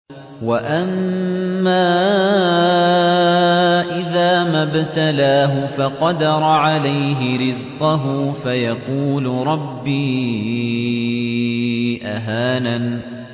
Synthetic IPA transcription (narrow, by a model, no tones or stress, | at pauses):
waʔamː | aː | ʔɪðaːmabt̪alaːɦʊfɑqɑd̪ɑɾˤɑʕalajɦɪɾɪzqʊɦʊːfajɑquːlʊɾˤɑbːiː | ʔaɦaːnan